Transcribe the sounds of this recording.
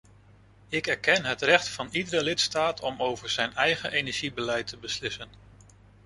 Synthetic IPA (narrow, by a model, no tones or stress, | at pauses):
ɪkɛɹkɛnɦətrɛχtfɑnidəɾəlɪtstaːtʰɔmowvəɹz̥ɛjnɛjχənʔejnɛɹʒibəlɛjtʰəbəslɪsən